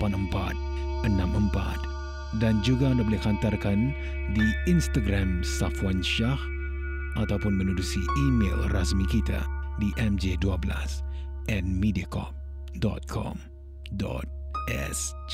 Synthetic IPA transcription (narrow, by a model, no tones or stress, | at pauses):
panəmpa̰t̪̚ | ʔənamʔəmpa̰t̪ | dand͡ʒuɡandabolɛkant̪arkan | diinst̪aɡɾamsafuwanʃah | ʔat̪awpʊnmənudusiʔimḛlrasmikit̪a̰diʔɛmd͡ʒeduabəla̰s | ʔɛn̚midiakɔ̰p̚ | dɔ̰t̪̚kʰɔ̰m | dɔ̰t̪̚ʔɛ̰s